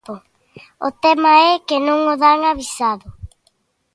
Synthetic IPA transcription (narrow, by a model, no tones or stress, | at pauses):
o | ot̪ɛmaɛkenõŋoðaŋaβisaðʊ